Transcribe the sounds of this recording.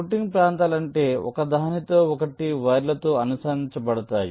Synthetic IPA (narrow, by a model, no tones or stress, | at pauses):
uʈːiŋɡpɾaːnt̪aːlɐɳʈe̞ːɔ̰kɐd̪ɐɦnit̪oːɔkɐʈiʋɐjɾlɐt̪oːɐnusaːniɲt͡ʃɐpɐɽɐt̪a̰ːjḭ